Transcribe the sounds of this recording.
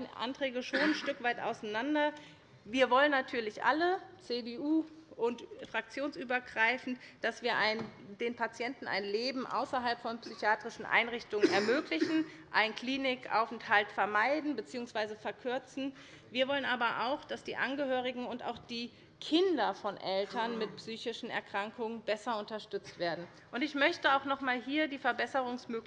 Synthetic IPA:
ʔa̰ntʁ̥ɛːɡəʃoːnnʃtʏkv̥aɪtʔa̰ʊsanandɐ | viːɐvɔlənːatʰyːɐlɪçʔa̰lət͡sebeuːʔʊntfʁ̥ak̚t͡sjoːnsʔyːbɐɡʁaɪfn̩td̥asv̥iːɐʔaɪndeːnpʰat͡sjɛntn̩a̰ɪnleːbm̩ʔa̰ʊsɐɦalpfɔnpsyçaːtʁ̥ɪʃn̩ʔa̰ɪnʁɪçtʊŋənɛɐmøːklɪçn̩ | ʔaɪnkl̥iːnɪkʔa̰ʊfnthaltfɛɐmaɪdn̩bət͡siːʊŋsv̥aɪzəfɛɐkʰʏɐt͡sn̩ | viːɐvɔlənʔaːbɐʔa̰ʊxd̥asd̥iːʔanɡəhøːʁ̞ɪɡŋ̩ʊnta̰ʊxd̥iː | kʰɪndɐfɔnʔɛltʰɐnmɪt̚psyːçɪʃn̩ɛ̰ɐkʁ̥aŋkʊŋənbɛsɐʊntɐʃtʏt͡stv̥eːɐdn̩ | ʔʊntɪçmœçtəaʊxnɔχmaːlɦiːɐdiːfɛɐbɛsəʁ̞ʊŋsmøːk

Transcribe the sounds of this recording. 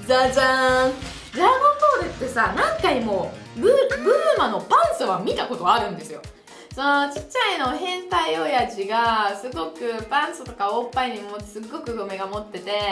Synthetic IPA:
zaza | ɾaɡopo̞ːɾɯ̟t̪ːe̞sanãŋkaimo̞ | bɯ̟bɯ̟ːmano̞pãɰ̃soβamʲit̪ako̞t̪o̞aɾɯ̟̃nd̪e̞sɨjo̞ | so̞no̞t͡ɕi̥t͡ɕːaino̞ɦẽ̞nt̪aio̞jaʑiɡasɨɡo̞kɯ̟pãɰ̃sot̪o̞kaoːpːaiɲ̟imoːsɨɡːo̞kɯ̟ɡome̞ɡamo̞t̪ːe̞t̪e̞

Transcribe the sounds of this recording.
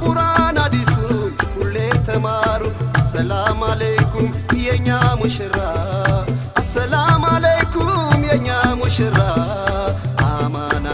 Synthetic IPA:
kʼuɾanad̪isuulːet̪ʰəmaɾuɐsəlamalejkum | jɛɲːamuʃɨɾa | ɐsɐlamalejkumjɛɲːamuʃɨra | amana

